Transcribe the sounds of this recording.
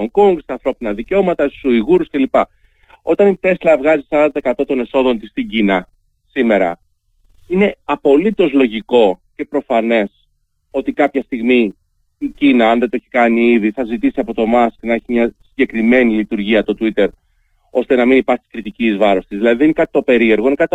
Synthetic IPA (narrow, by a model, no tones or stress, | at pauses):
oŋkoŋɡst̪ɐːnθɾo̞pinɐðiceo̞mɐt̪ɐst̪u̥suiɣuɾusce̞lipɐ | o̞t̪ɐnit̪e̞slɐvɣɐzisɐɾɐnd̪ɐɐekɐt̪o̞t̪o̞ne̞so̞ðo̞nt̪ist̪iɟinɐ | sime̞ɾɐ̰ | ine̞ɐpo̞lit̪o̞zlo̞ʝiko̞ce̞pɾo̞fɐne̞s | o̞t̪ikɐpçɐst̪iɣmi | icinɐːnðet̪oeçi̥kɐniiðiθɐzit̪isiɐpo̞t̪o̞mɐsknɐe̞çimɲɐsiɲɟe̞kɾime̞nilit̪uɾʝiɐt̪o̞t̪wit̪e̞ɾ | o̞st̪e̞nɐminipɐɾçi̥kɾit̪icizvɐɾo̞st̪izðilɐðiðeinekɐt̪it̪o̞pe̞ɾie̞ɾɣo̞inekɐt̪i